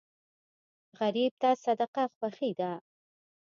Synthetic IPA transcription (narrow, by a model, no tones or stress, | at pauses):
ɣaɾib̚t̪asad̪aqaxwaxid̪a